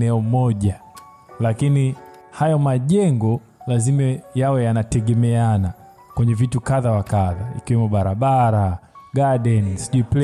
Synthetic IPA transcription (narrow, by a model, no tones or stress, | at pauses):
ɛɔmɔʄa | lakini | hajɔmaʄɛŋɡɔ | lazimajawɛjanatɛɡɛmɛana | kwɛɲɛvitukaðawakaðaḭkiwɛmuɓaɾaɓaɾaɡaɗɛnisiʄuipl